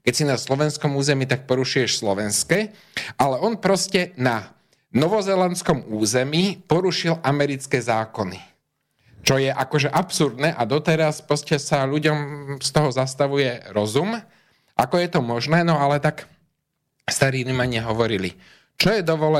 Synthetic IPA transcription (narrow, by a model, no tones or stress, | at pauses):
kɛcsinaslɔʋɛnskɔmuːzɛmiːt̪ak̚pɔɾuʃujɛʃslɔʋɛnskɛː | ʔalɛɔnpɾɔscɛna | nɔʋɔzɛlɛnskɔmuːzɛmiːpɔɾuʃilamɛɾit͡skɛːzaːkɔni | t͡ʃɔjɛʔakɔʒɛʔapsuɾd̪nɛːʔad̪ɔt̪ɛɾaspɾɔscɛsaʎuɟɔmst̪ɔɦɔzast̪aʋujɛɾɔzum | ʔakɔjɛt̪ɔmɔʒnɛːnɔalɛt̪ak | st̪aɾiːnimaɲɛɦɔʋɔɾilḭ | t͡ʃɔjɛd̪ɔʋɔlɛ